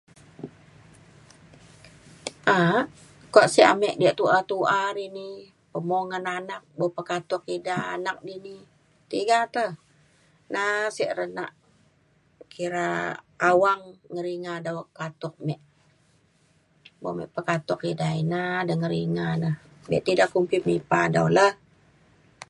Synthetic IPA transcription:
ʔa | kɔʔsɛʔamɛʔdiaʔt̪uʔat̪uʔaɾini | pəmoŋananak̚bopəkat̪ɔkidaːnak̚dini | t̪iɡat̪əh | nasiʔɾəna̰ʔ | kiɾa̰ | awaŋːəɾiŋadawkat̪ɔk̚mɛʔ | bo̰mɛ̰ʔpəkat̪ʊkidainadəŋəɾiŋanəh | bɛ̰ʔt̪idaʔkːumpip̚mipadawləh

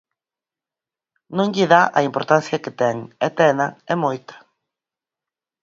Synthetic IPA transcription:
nõŋʎiðaʔɐ̰impoɾt̪anθjɐket̪ɛŋɛt̪ɛnɐɛmojt̪ɐ̥

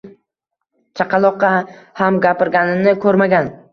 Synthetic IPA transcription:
t͡ʃʰaqʰɑlˠɒqʰːɑhamɡʲapɪɾɡʲanɪnɪkʰɵɾmaɡʲan

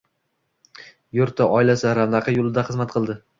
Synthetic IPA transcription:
jʊɾt̪ʰaʔɒɪlasɪɾand̪aqʰɑjolˠɪd̪aχɨzmat̪qʰɨlˠd̪ɪ

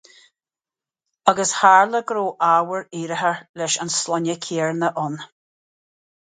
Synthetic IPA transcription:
ʌɡəshaɹləɡɾoːʔawəɹiːɾəɦəɹlɛʃa̰nslɔnəkʰiːɹnəʔʊn

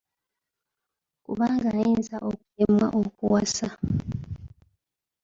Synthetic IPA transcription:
kuβaːŋɡajiːnzaʔok̚u̥emwa̰ʔokuwasa

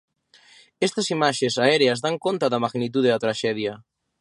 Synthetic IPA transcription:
ɛst̪ɐsimaʃesaɛɾeɐzðaŋkont̪ɐðɐmaɣnit̪̬uð̞eðɐt̪ɾaʃɛð̞jɐ

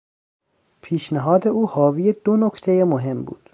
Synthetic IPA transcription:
pʰiːʃneɦɒːd̪e̞uːhɒːvijed̪onokt̪ʰejemoɦe̞mbṵːd̪̥

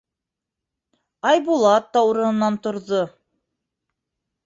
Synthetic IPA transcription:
ɑjbulˠɑt̪ːɑuɾɤ̆nɤ̆nːɑnt̪ŏɾðo

